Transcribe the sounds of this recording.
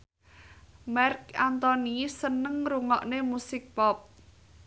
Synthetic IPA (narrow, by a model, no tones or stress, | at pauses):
mɛrkant̪ɔnisənəŋruŋɔ̰ʔnemusɪk̚pɔp̚